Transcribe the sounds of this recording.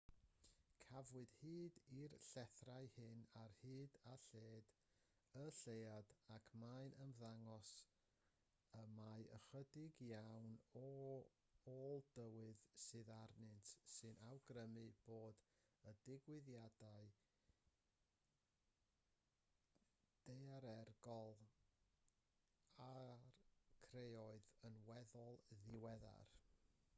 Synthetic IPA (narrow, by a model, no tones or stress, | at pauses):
kʰavwɨd̥hiːdirɬɛθrajhɪnarhɨːdaɬeːd | əɬeadakʰmaɨnʔəmðaŋɔs | əmajə̰χədɪɡjawnɔ | oːlˠd̥əwɨðsɨðarnɨntʰsɨnʔawɡrəmɨb̥oːd | ədɪɡwɪðjadaɨ | d̥ejaɾɛrɡɔlˠ | arkʰreɔɨðənwɛðɔlˠðɪwɛða̰r